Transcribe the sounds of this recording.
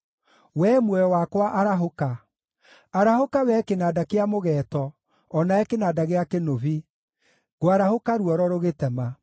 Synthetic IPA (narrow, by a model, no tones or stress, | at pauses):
wɛmwɛɔwakwaʔaɾaɦoka | aɾahokawɛkenaːdakeamoɣɛːtɔː | naɛkenaːdaɣeakenoβi | ɣoaɾahokaɾuɔɾɔɾoɣetɛma